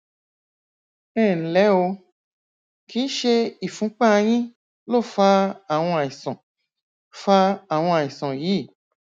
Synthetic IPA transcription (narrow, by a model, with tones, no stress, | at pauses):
ɛ˦˨n̩˨˦lɛ˨˦o˧ | ki˨˦n̩˦ʃe˧i˨fũ˨˦k͡pã˦a˧j̃ĩ˦ | lo˦˨fa˧˦a˦˨w̃ɔ̃˧a˨ĩ˨sɔ̃˨ | fa˦a˨w̃ɔ̃˧a˨ĩ˨sɔ̃˨ji˨˦˨